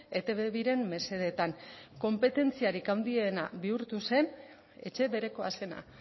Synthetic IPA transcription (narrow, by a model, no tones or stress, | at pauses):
e̞t̪e̞βeβiɾe̞mːe̞se̞ð̞e̞t̪aŋko̞mpe̞t̪e̞nt͡siaɾikawnd̪ie̞naβiuɾt̪use̞n | e̞t͡ʃe̞βe̞ɾe̞ko̞ase̞na̰